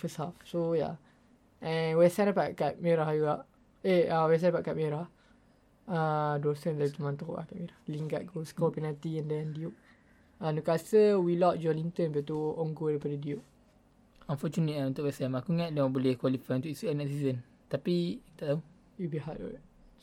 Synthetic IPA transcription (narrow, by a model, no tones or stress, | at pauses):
fəsafsoja̰ | ɛ̃nwɛsanapaʔkat̪̚meɾahjuɡaʔ | ehawɛs̬andapaʔkaʔ̪̚meɾah | ədosənlaut̪əmãnt̪oʔa̰ʔkaʔ̪̚meɾahliŋɡat̪̚ɡoskɔpinat̪iɛndɛndiuʔ̚ | anukasəwilɔt̚d͡ʒɔlint̪ənbiat̪uɔŋɡodajpadədiuʔ | ãnfɔt͡ʃunət̪aunt̪ʊʔwɛsɛmakuŋat̪̚dabolɛhkwalifajunt̪ʊʔisuɛnɛʔsizən | t̪apiki̥t̪aʔt̪au | jubiɦaʔdo̰